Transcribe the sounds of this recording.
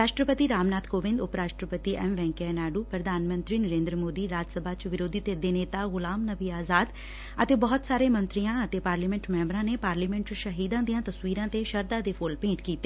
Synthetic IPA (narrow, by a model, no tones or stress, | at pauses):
ɾaːʃʈɾəpət̪iɾaːmnaːt̪koːʋɪ̃nd̪ʊpɾaːʃʈɾəpət̪iʔɛːmʋɛ̃ːŋkɛnaːɖuːpɾəd̪ʱaːnmə̃nt̪ɾiːnəɾẽːnd̪ɾəmoːd̪iːɾaːd͡ʒəsəbʱaːt͡ʃʋɪɾoːd̪ʱit̪ed̪eːneːt̪aːɣʊlaːmnəʋiːaːzaːd̪ | ət̪eːbɔːt̪saːɾeːmə̃nt̪ɾijãːət̪eːpaːɾliːmɛ̃ɳʈmɛ̃ːmbɾãːneːpaːɾliːmɛ̃ɳʈʃəɦiːd̪ãːd̪ijãːt̪əsʋiːɾãːt̪eʃəɾd̪aːd̪eːpʰoːlpẽːʈkiːt̪eː